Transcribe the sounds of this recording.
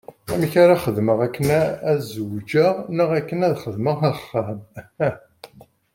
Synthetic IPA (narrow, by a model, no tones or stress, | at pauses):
æmiçaɾaχəðməʁækːənææzəwd͡ʒəʁnəʁækːənæðχəðməʁæχːæmæ